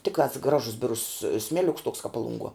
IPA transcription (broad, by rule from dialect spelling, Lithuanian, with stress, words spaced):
ˈtʲɪktɑːs ˈɡrɑːʒʊs ˈbʲɪrʊs ˈsʲmʲæːlʲʊks toːks kɐp ˈpɑːlˠʊŋˌɡuɔ